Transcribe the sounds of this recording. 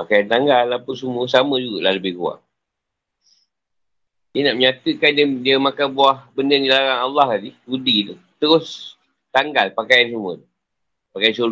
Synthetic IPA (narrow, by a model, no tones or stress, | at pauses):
pakajant̪aŋɡalːapəsəmuəsaməd͡ʒuɡaʔlahləbɪhkua̰ʔ | dənaʔməɲat̪əkandiədiəmakanbuahbəndərɡilaɾanalːɑɦladiudid̪ə | t̪əɾʊs | t̪aŋɡalpakajans̬umuə̰t̪u | pakajansul